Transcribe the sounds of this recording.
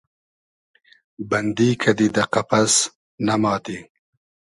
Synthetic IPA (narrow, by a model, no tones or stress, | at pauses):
bɐnd̪ikʰad̪id̪aqapas | namɑːt̪i